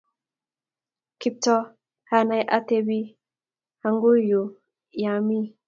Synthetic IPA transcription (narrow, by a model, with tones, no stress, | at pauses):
ki˦p̚tɔ˦ | ha˦na˨jʔa˦te˦bi˦ | ha˨ŋɡu˦ju˨ | ja˨mi˦